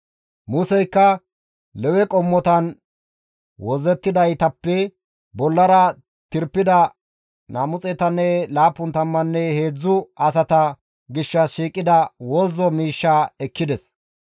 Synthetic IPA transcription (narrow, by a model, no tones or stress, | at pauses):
mʊsɛjkːɐ | lɛwɛkʼɔmːɔt̪ɐn | wɔzɛt̪ːɪd̪ɐjt̪ɐpːɛ | bɔlːɐɾɐ | t̪ɪɾpːɪd̪ɐ | naːmʊt͡sʼɛt̪ɐnːɛlaːpːʊnt̪ɐmːɐnːɛhe̞ːd͡zːʊɐsɐt̪ɐ | ɡɪʃːɐsʃiːkʼːɪd̪ɐwɔzːɔmiːʃːaːɛkːɪd̪ɛs